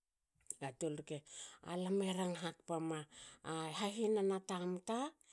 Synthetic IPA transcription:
atolɾkea̰lameɾaŋɦat̚pamaː | ɦaɦinanatamta

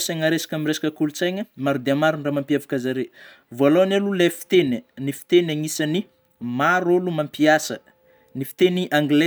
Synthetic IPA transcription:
saŋaɾesḁkʲamiresḁkʲəkulut͡sajɲəmaɾud̪eamaɾunramampiavḁkʲazaɾe | voalowanelulefi̥t̪enənifi̥t̪enaŋisani | maɾolumampiasə | nifi̥t̪eniʔaŋɡle

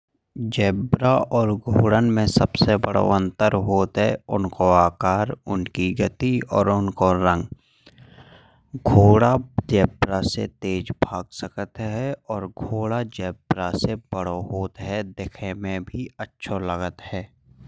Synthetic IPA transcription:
d͡ʒɛːbɾaɔːɾɡʱoːɽənmẽsəbsebəɽo̰ə̃nt̪əɾɦoːt̪ɦɛʊnkoaːkaːɾʊnkiɡət̪iɔːɾʊnkoɾə̃ŋɡ | ɡʱoːɽad͡ʒɛːbɾasḛt̪eːd͡ʒbʱaːɡsəkət̪ɦɛɔːɾɡʱoːɽad͡ʒɛːbɾasebəɽoɦoːt̪ɦɛd̪ekʰemẽbʱiətːʃʰoləɡət̪ɦɛː

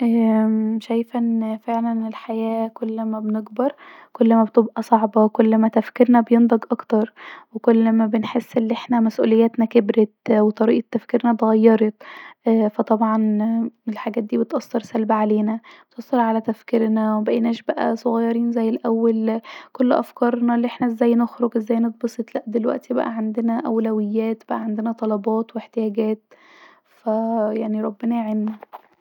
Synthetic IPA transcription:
ʔæːʃæjfænfeʕlænelħajæːkolːmæbneɡbɑɾˤkolːmæbet̪ebʔæsˤɑʕbɑwekolːmæt̪æfkeɾnæbejend̪ˤɑɡʔɑkt̪ɑɾˤwekolːmæbenħesːʔelːʔeħnæmæsʔṵːlejːæːt̪nækebɾet̪wet̪ˤɑɾiːʔet̪ːæfkiɾnæt̪ɣɑjːɑɾˤɑt̪ˤʔfæt̪ˤɑbʕɑnelħaɡæːt̪̚d̪iːbet̪ʔɑsˤːɑɾˤsælbaʕaleːnæbet̪ʔɑsˤːɑɾˤʕalæt̪æfkeɾnæwebæʔenæːʃbæʔæ̰sˤoɣɑjːɑɾiːnzæjːelʔæwːælkolːʔæ̰fkɑɾˤnɑlːʔeħnæʔzːæːjːnoxɾoɡʔezːæːjːnet̪̚bɑsˤet̪læʔd̪elwæ̰ʔt̪ibæ̰ʔæʕand̪enæʔæwlæwɪjːæːt̪b̥æʔæʕand̪enæt̪ˤɑlɑbɑːt̪weħt̪ejæːɡæːt̪̚ | fæjaʕniɾˤɑbːenæʕenːæ

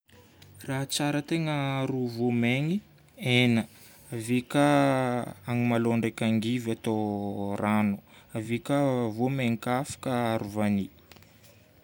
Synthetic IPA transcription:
raɦt͡saɾət̪eŋəɾuvomeŋi | enə | avikə | aŋimaloɳɖ͡ʐekʲaŋɡivat̪oranu̥avikəvomeŋikafḁkəaɾuvani

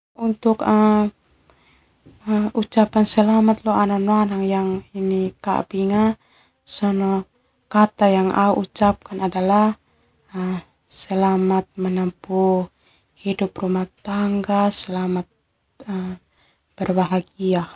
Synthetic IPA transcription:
unt̪ʊkə | əut͡ʃapansəlamat̪lɔananoanaŋjaŋinika̰ʔpiŋa | sɔnɔ | kat̪ajaŋʔa̰uʔut͡ʃap̚kanadalah | əm | səlamat̪̚mənəmpu | hiduprumaht̪aŋɡasəlamat̪̚ | ə | b̥ərbaɦaɡia

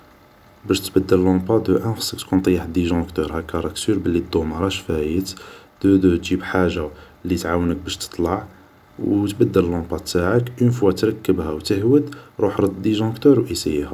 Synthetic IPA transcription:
bæʃt̪bəd̪ːələlɑ̃bɑd̪əʔæxsːəkt̪kunt̪ˤjəħd̪iʒɔ̃kt̪ɔɾhækːɑɾˤɑksyɾbəlːid̪ːomɑɾˤɑʃfæjət̪d̪̥əd̪ət̪ʒibħaʒːa | lːit̪ʕawənək̚bæʃt̪ə̥t̪ˤlɑʕ | wt̪bæd̪ːəllɑ̃bɑt̪ːaʕəkʔənfwat̪ɾˤɑkːəbhæwt̪əhwəd̪ɾˤuħɾˤəd̪d̪iʒɔ̃kt̪əɾwʔisijhæ

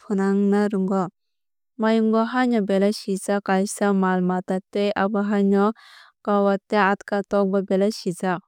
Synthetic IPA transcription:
pʰunaŋnaɾuŋɡɔ | majuŋɡɔɦaɲɔbelasizakajsamalmatatːejabaɦaɲɔkawatːeat̪katɔk̚babɛlasizak̚

